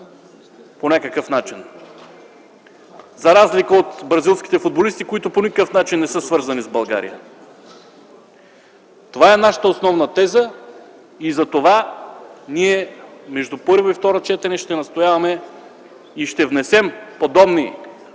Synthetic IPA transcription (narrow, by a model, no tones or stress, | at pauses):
ponʲakəkəfnat͡ʃin | zɐɾazlikəot̪bɾɐzilˠsk̟ʲi̥t̪ɛfud̪̚bolist̪ikoit̪ʊponikəkəfnat͡ʃinːɛsɤsvɤɾzɐnizbɐlˠɡa̰ɾḭjə̰ | t̪ovaɛnaʃə̥t̪əosnɔvnɐt̪ɛzə | izɐt̪ova | niɛmɛʒd̪upɤɾvoift̪ɔɾot͡ʃɛt̪ɛnɛʃt̪ɛnɐst̪ojavɐmɛ | iʃt̪ɛvnɛsɛmpod̪ɔbni